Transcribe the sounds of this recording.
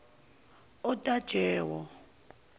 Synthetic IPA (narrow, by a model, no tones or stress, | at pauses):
ɔtʼad̥ʒ̥ʱɛːwɔ